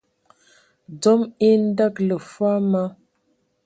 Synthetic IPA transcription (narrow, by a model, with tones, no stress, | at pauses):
d͡zɔ˦mi˦n̩˦da˦klə˨fwa˦ma˦